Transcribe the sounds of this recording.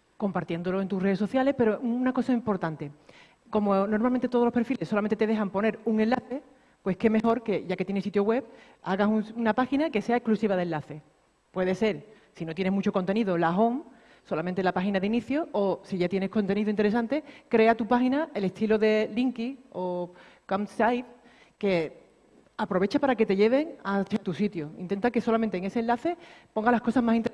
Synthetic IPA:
ko̞mpaɾt̪je̞nd̪oloe̞nt̪ure̞ð̞esoθjale̞hpe̞ɾo̞unako̞saimpo̞ɾt̪ant̪e̞ | ko̞mono̞ɾmalmẽnt̪eo̞ð̞lope̞ɾfile̞sːolament̪et̪eðe̞ɦampo̞ne̞ɾuŋẽ̞nlaθe̞ | pwe̞hke̞me̞ho̞ɾke̞ʝake̞t̪je̞nesit̪joɣwe̞p | aɣasuŋunapaxinake̞se̞aeklusiβaðe̞laθe̞ | pwe̞ðe̞se̞ɾ | sinot̪jene̞ɦmut͡ʃo̞ko̞nt̪e̞niðo̞laɦo̞ŋ | so̞lament̪elapaxinaðeiniθjoːsiʝat̪jene̞hko̞nt̪e̞niðoint̪eɾe̞sant̪e̞kɾe̞at̪upaxinaʔe̞le̞ht̪ʰiloðe̞liŋkio̞ | kamsajð | ke̞ | apɾo̞βe̞t͡ʃapaɾake̞t̪e̞ʎe̞β̞e̞ŋasjat̪usit̪joḭnt̪ent̪ake̞so̞lamẽnt̪eːŋe̞senlaθe̞po̞ŋɡalahko̞sazmasint̪

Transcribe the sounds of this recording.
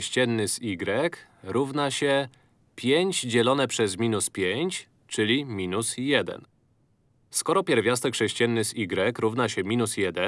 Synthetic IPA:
ɕt͡ɕɛnːɘsiɡɾɛkɾuvnaɕɛ | pʲjeɲd͡ʑd͡ʑɛlɔnɛpʂɛzmʲinuspʲjeɲt͡ɕ | t͡ʂɘlʲimʲinusjɛd̪ɛ̰n | skɔɾɔpʲjɛɾvʲjast̪ɛkʂɛɕt͡ɕɛnːɘsiɡɾɛkɾuvnaɕɛmʲinusjɛd̪ɛ

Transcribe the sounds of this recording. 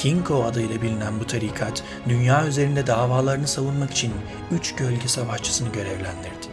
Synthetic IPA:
cʰiŋkʰo̞ad̪ajlˠabilʲinænbut̪ʰaɾiːkʰat̪ | d̪ynjaːyze̞ɾind̪ɛd̪aːvaːlˠaɾɯnɯsavunmaki̥t͡ʃʰin | yt͡ʃɟølʲɟɛsavaʃt͡ʃʰɯ̥sɯnɯɟø̞ɾɛvlʲænd̪iɾd̪ɪ̥

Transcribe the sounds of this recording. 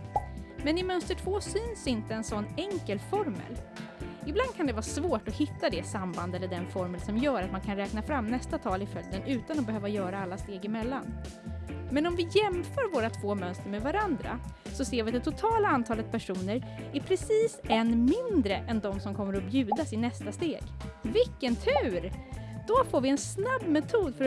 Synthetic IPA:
mɛnɪmœnst̪əʈʰvoːsyːnsɪnt̪əɛnsɔnːɛŋkəlfɔɾmə̰lɪbland̪̚kʰand̪ɛvɑːsvoːʈɔhɪt̪ːad̪ɛsamband̪ɛlːəɖɛnfɔɾməlsɔmjœːɾat̪mankʰanɾɛːknafɾamːnɛst̪at̪ʰɑːlɪfœld̪ənʉ̟ːt̪anɔbɛhøːvajœːɾaalːast̪eːɡɪmɛlːan | mɛnɔmvɪjɛmfœːɾvoːɾat̪ʰv̥oːmœnst̪əɾmɛd̪vaɾand̪ɾa̰sɔseːɾvɪat̪ɛt̪ʰːʊt̪ʰɑːlaant̪ʰɑːlət̪̚pʰæʂuːnəɾæɾpʰɾɛsiːsɛnmɪnd̪ɾəʔɛnd̪ɔmsɔmkʰɔmːəɾɔbjʉ̟ːd̪asɪnɛst̪ast̪eːɡvɪkːənt̪ʰʉ̟ːɾd̪̥ɔfoːɾvɪɛnsnabːmɛt̪ʰuːd̪fœ

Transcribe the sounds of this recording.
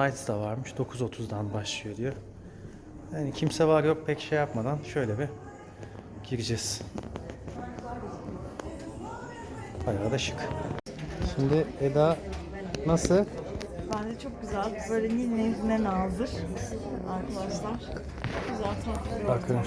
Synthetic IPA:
ajt̪d̪avaɾmɯʃd̪o̞kʰuzo̞t̪ʰuzd̪anbaʃlˠɯjo̞d̪ijo | hanicʰimsɛvaɾjo̞k̚pʰɛcʃejːapmad̪anʃø̞jlʲɛbi | ɟ̥iɾid͡ʒɛz̥ | baɾavad̪aʃɯ̥k | ʃimd̪ɪed̪a | nasɯbænd̪ɛt͡ʃʰo̞k̚ɡyzælʲbø̞jlʲɛninɛzinɛnalˠd̪ɯɾ | aɾklˠaʃlˠamk | okuzalt̪ʰɯnabakʰɯm

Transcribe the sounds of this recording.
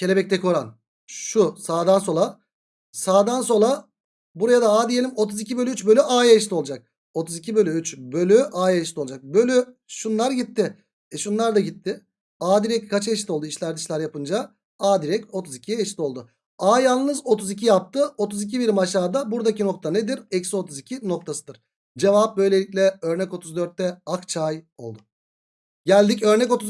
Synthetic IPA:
cʰe̞lʲebɛc̚t̪ɛkʰo̞ɾan | ʃusaːd̪anso̞lˠa | saːd̪ans̬o̞lˠa | buɾajad̪aaːd̪ijelʲimo̞t̪ʰuzicʰibø̞lʲyyt͡ʃbølʲyʔaːjaʃt̪ʲio̞lˠd͡ʒak̚ | o̞t̪ʰuzicʰibø̞lʲyyt͡ʃbø̞lʲyʔaːjaʃt̪ʲiud͡ʒak̚bø̞lʲy | ʃunlˠaɾɟit̪ʰːɪ | ɛʃunlˠaɾd̪aɟit̪ʰːɪ | aːd̪iɾɛckat͡ʃʰaeʃit̪o̞lˠd̪uiʃlʲæɾd̪iʃlʲæɾjapɯnd͡ʒa | aːd̪iɾɛco̞t̪ʰuzicʰijeʃt̪o̞lˠd̪ʊ | aːjalˠnɯzo̞t̪uzicʰijap̚t̪ʰɯo̞t̪ʰuzic̬ʰibiɾmaʃaːd̪abuɾd̪acino̞k̚t̪ʰane̞d̪iɾɛcsio̞t̪ʰuzicʰino̞k̚t̪ʰasɯd̪ɯɾ̥ | d͡ʒe̞vap̚bø̞jlʲe̞lʲiclʲɛø̞ɾnɛko̞t̪ʰuzd̪ø̞ɾt̪ːɛakt͡ʃʰaj | o̞̰lˠd̪ʊ | ɟælʲd̪icø̞ɾnɛc̬o̞t̪uz

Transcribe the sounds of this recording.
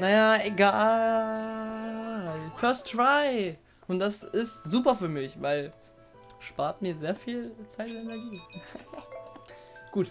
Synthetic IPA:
najaːeɡaː | lfœɐstd̥ʁaɪ | ʔʊnt̚d̥asɪstzuːpɐfyːɐmɪçvaɪl | ʃpaːɐtmiːɐzeːɐfiːlt͡saɪtɛnɛɐɡiː | ɡ̥uːt

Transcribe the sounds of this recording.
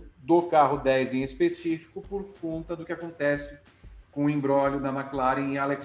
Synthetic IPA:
d̪okaɦʊd̪ɛjzẽespesifi̥kʊpoɾkõnt̪ɐd̪ʊkɪakõt̪ɛsɪ | kõʊĩmbɾɔlʊd̪ɐmaklaɾẽaleks

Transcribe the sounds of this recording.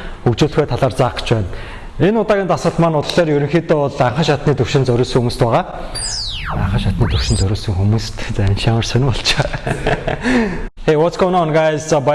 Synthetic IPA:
xukt͡ɕuːɮ̆xeːt̪ʰaɮaːrt͡saːqə̥̆t͡ɕpæːn | enʊt̪aːɣʲiːnt̪asə̆ɮmaːnʊt̪ə̆ɮeːrjɵɾɵ̆ŋxiːt̪ʊʊɮaɴχə̆ŋʃat̪niːt̪ɵwʃɪ̆nt͡sœɾʲʊːɮsɘ̆ŋxumuːst̪pæːʁaː | a̰ɴχə̆ʃat̪niːt̪ʰɵwʃɪ̆nt͡sœɾʲʊːɮsɵ̆ŋxumuːst̪ʰt͡sænʃaŋə̆rsœnʲpɔɮt͡ɕe | xeːwɔt͡skʰɔnɔːɔnɡast͡sɔp

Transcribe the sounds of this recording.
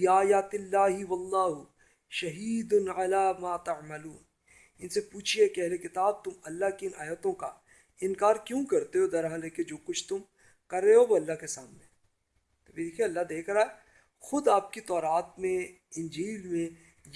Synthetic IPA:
aːjaːt̪ɪlːaːɦɪwɐlːaːɦʊ | ʃɐɦiːd̪ʊnʕalaːmaːt̪ɐʕmɐluːn | ɪnsepuːt͡ʃʰiekɛɦlekɪt̪aːb̚t̪ʊmɐlːaɦkeɪnʔaːjət̪õka | ɪnkaːɾkjũːkɐɾt̪eɦod̪ɐɾɦaleked͡ʒoːkʊt͡ʃʰt̪ʊm | kɐɾːeɦoʋoɐlːaɦkesaːmnẽ | t̪ɐbʱid̪eːkʰieɐlːaɦd̪eːkʰɾaːe | xʊd̪aːp̚kit̪ɔːɾaːt̪mẽ | ɪ̃nd͡ʒiːlmẽ | j

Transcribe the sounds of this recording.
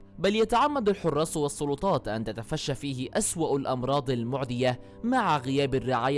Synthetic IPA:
baljat̪aʕamːad̪alħʊrˤːɑːsˤwɑsˤːʊlʊt̪ˤɑːt̪ʔant̪at̪afaʃːafiːhɪʔaswaʔalʔɑmɾˤɑːd̪ˤalmʊʕd̪ɪja | maʕaɣɪjaːbarːɪʕaːja

